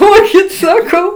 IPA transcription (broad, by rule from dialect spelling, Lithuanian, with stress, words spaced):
ˈduɔkʲɪt sɐˈkɐʊ